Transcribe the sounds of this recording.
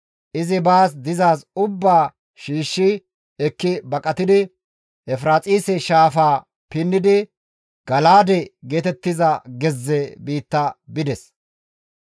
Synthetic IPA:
ʔɪzɪbaːs̬d̪ɪzaːsʊbːaː | ʃiːʃːɪ | ɛkːɪbɐkʼɐt̪ɪd̪ɪ | ʔɛfɾaːt͡sʼiːsɛʃaːfaː | pɪnːɪd̪ɪ | ɡ̥ɐlaːd̪ɛɡeːt̪ɛt̪ːɪzɐɡɛzːɛbiːt̪ːɐbɪd̪ɛs

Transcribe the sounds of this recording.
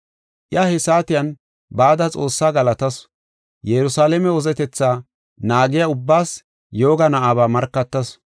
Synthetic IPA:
ʔɪahɛsaːt̪ɪjɐn | baːd̪ɐt͡sʼo̞ːsːaːɡɐlɐt̪ɐs | jɛɾʊsaːlɛmɛwɔzɛt̪ɛt͡sːaː | naːɡɪjaʊbːaːs | jo̞ːɡɐnɐʔaːβaːmɐɾkːɐt̪ːɐs

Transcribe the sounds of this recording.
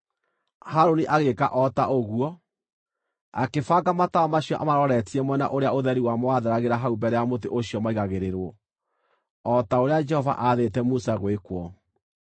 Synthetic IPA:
haɾoniʔaɣeka̰ʔɔtaʔoɣuɔ | a̰kefaɡamataɔmaɕiɔʔamaɾɔɾɛtiɛmwɛna̰ʔoɾeaoðɛɾiwamowaðeɾaɣeɾaɦaumbɛɾɛamoteʔoɕiɔmaiɣaɣeɾeɾwɔ | ɔtaoɾead͡ʒɛhɔva̰ʔaðetɛmusaɣwekwɔ

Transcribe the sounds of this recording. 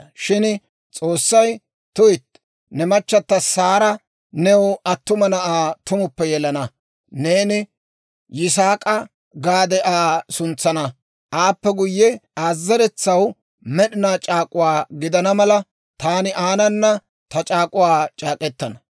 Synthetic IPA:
ʃɪn | t͡sʼo̞ːsːɐj | t̪ʊjɪt̪ | nɛmɐt͡ʃːɐt̪ːɐsaːɾɐ | nɛwɐt̪ːʊmɐnɐʔaːt̪ʊmʊpːɛjɛlɐnɐ | ne̞ːnɪ | jɪs̬aːkʼɐ | ɡaːd̪ɛʔaːsʊnt͡sːɐnɐ | ʔaːpːɛɡʊjːɛaːzːɐɾɛt͡sːɐw | mɛɗɪnaːt͡ʃʼaːkʼʊwaːɡɪd̪ɐnɐmɐlɐ | t̪aːnɪʔaːnɐnːɐ | t̪ɐt͡ʃʼaːkʼʊwaːt͡ʃʼaːkʼɛt̪ːɐnɐ

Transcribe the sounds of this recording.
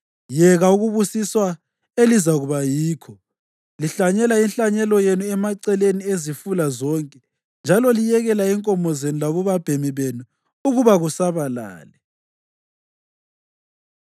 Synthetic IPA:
jɛɣauɣuβusiswa | elizaɣuβajiːkʰɔ | liɬaɲɛlainɬaɲɛlɔjenuɛmaǀɛleniezifulazɔŋkʼɛ | nd͡ʒʱalɔlijɛɣɛlaɛŋkʼɔmɔzenulaβuβab̥ʱemiβenu | uɣuβaɣusaβala̰ːlɛ

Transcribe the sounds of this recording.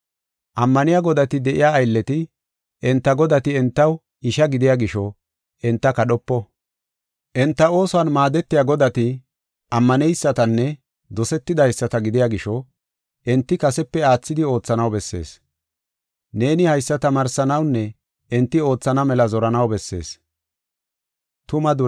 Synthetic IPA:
ʔɐmːɐnɪjaɡɔd̪ɐt̪ɪd̪ɛʔɪ̰jaːjlːɛt̪ɪ | ʔɛnt̪ːɐɡɔd̪ɐt̪ɪɛnt̪ːɐw | ɪʃɐɡɪd̪ɪjaɡɪʃɔ | ɛnt̪ːɐkɐɗɔpːɔ | ʔɛnt̪ːɐo̞ːsʊɐnmaːd̪ɛt̪ːɪjaɡɔd̪ɐt̪ɪ | ʔɐmːɐnɛjsːɐt̪ɐnːɛ | d̪ɔsɛt̪ːɪd̪ɐjsːɐt̪ɐɡɪd̪ɪjaːɡɪʃɔ | ʔɛnt̪ːɪkɐsɛpːɛaːt͡sːɪd̪ɪo̞ːt͡sːɐnɐwbɛsːe̞̰ːs | ne̞ːnɪhɐjsːɐt̪ɐmaːɾsɐnɐwnːɛ | ʔɛnt̪ːɪo̞ːt͡sːɐnɐmɛlɐzɔɾɐnɐwbɛsːe̞̰ːs | t̪ʊmɐd̪ʊ

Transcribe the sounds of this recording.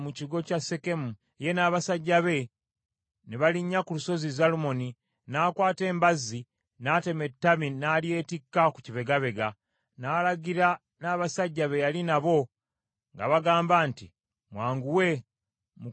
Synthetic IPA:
muciɡo̞case̞ke̞mu | je̞naːβasaɟːaβe̞ | neβaliɲːakuluso̞zizalumo̞ni | naːkwaːte̞ːmbazːi | naːte̞me̞tːaminaːlje̞ːtikːaku̥ciβe̞ɡaβe̞ɡa | naːlaɡiɾa | naːβasaɟːaβe̞jalinaβo̞ | ŋɡa̰βaɡaːmbaːnti | mwaːŋɡuwe̞ | mu

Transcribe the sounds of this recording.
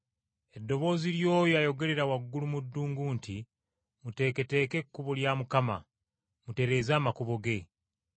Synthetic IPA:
e̞dːo̞βo̞ːziljo̞ːjoajo̞ɡe̞ɾe̞ɾawaɡːulumudːuːŋɡuːnti | mute̞ːke̞te̞ːke̞kːuβoljaːmukama̰ | mute̞ɾe̞ːzaːmakuβo̞ɡe̞

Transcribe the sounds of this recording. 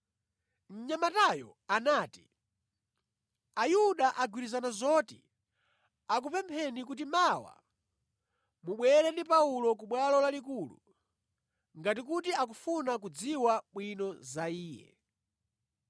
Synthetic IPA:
n̩ɲamatajɔ̰anaːti | ajuɗaʔaɡwiɾizanazɔtḭ | ak̬upɛmpʰɛnikut̬imawa̰ | muɓwɛlɛndipaulɔk̬uɓwalɔlalikulṵ | ŋɡatikut̬iak̬ufunak̬ud͡ziwaɓwinɔzaiːjɛ̰

